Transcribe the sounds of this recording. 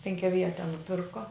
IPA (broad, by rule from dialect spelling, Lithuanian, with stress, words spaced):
pʲɛŋʲkʲɛˈʋʲiɛtʲɛ nʊˈpʲɪrkoː